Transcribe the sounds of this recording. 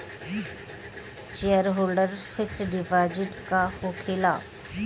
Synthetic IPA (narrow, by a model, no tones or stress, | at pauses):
ʃejəɾɦoːlɖəɾfɪksɖɪʋaːd͡ʒɪʈkahokʰeːla̰ː